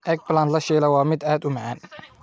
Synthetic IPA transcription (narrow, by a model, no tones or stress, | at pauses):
ʔɛk̚bland̪lɐʃɛːlɐwɑːmɪd̪aːd̪ʊmɐʕaːn